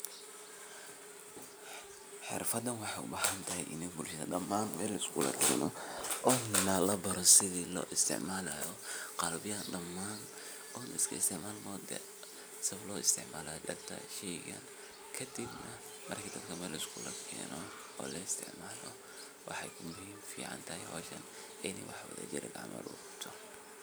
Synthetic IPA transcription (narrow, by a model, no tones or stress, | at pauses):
ħɪ̰rfɐd̪ːɐnwɑħɑjʊbaːhɐnt̪ʰɐɦɛjʔɪnibʊlʃɐðɐ̰ɖɐmːaːnmɛːlːɐɪskʰulɐ̰kʰɛ̰ːnɔʔɔːnɐlɐbɐɾɔsɪðiːlɔ̰ːʔɪst̪ʰɪ̰ʕmaːlɐjɔqɑlbɪjɐɖɐmːaːn | ɔːnɪskʰɐɪst̪ʰɪʕmaːlmɔd̪ɛ̰ | sɐβlɔːɪst̪ʰɪʕmaːlajɔdɐrt̪ʰɐ̰ʃɛjɣɐ̰n | kʰɐd̪ɪbnɐ | mɐrkʰiːd̪ɐd̪kʰɐmɛːlʔɪskʰuːlɐkʰɛ̰ːnɔ | ɔ̰ːlɛɪst̪ʰɪ̰ʕmaːlɔ | wɑħɑjkʰʊmʊhiːmfiːʕɑ̰nt̪ʰɐjhɔ̰ːʃɐ̰n | ɪnɛjwɑ̰ħwɐðɐ̰d͡ʒɪ̰ɾɛ̰ɡa̰ʕmɐ̰lʊ̰ | t̪ʰɔ